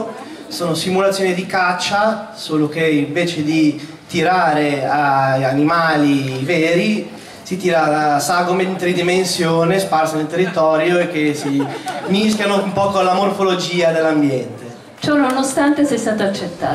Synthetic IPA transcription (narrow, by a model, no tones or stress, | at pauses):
soːnosimulat̪sːjoːnid̪ikat͡ʃːasoːlokeiɱveːt͡ʃed̪i | t̪iɾaːɾeajanimaːlivɛːɾi | sit̪iːɾasaɡoment̪ɾid̪imensjoːnesparsanelt̪erːit̪ɔːɾjoek̟ːesimiskjanoumpɔːkoalamorfolod͡ʒiːad̪elːambjɛnt̪e | t͡ʃɔnonost̪ant̪esɛjst̪aːt̪oat͡ʃːet̪ːaː